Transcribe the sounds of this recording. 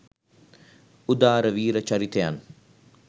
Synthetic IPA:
ud̪aːɾəʋiːɾət͡ʃɐɾit̪eja̰n

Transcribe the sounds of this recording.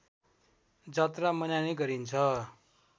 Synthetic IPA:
d͡zʌt̪ramʌnjaniɡʌɾint͡sʰʌ

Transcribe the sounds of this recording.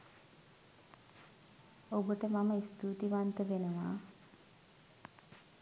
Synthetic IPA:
obəʈəmaməist̪uːt̪iʋant̪əʋenəʋa̰ː

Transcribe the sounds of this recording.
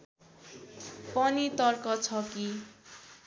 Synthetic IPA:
pʌnit̪ʌrkʌt͡sʰʌki

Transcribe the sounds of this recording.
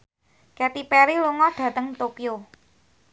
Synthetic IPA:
kɛt̪ipɛɾiluŋɔɖ̥ä̤t̪əŋt̪okio

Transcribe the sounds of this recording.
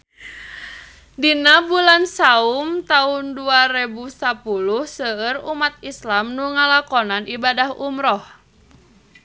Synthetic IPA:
dinabulansaumt̪aunduaɾɛbusapuluhsəərumat̪̚islamnuŋalakɔnanʔibadahumɾɔh

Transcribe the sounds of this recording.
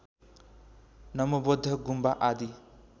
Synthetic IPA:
nʌmubod̪ʱːʌɡumbaʔad̪i

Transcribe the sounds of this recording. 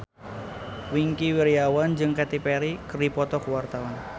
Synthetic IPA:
wiŋkiwiɾiawand͡ʒɨŋkɛt̪ipɛɾikərdipɔt̪ɔkuwart̪awan

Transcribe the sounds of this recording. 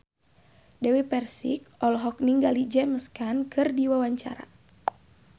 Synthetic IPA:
dɛwɛpɛrsik̚ɔlɦɔk̚niŋɡalid͡ʒɛməskankʰɨrdiwawaɲt͡ʃa̰ɾa̰

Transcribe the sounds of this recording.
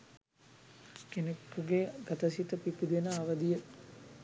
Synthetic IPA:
kenekːuɡeɡat̪əsit̪əpipid̪enəaʋəd̪ijə

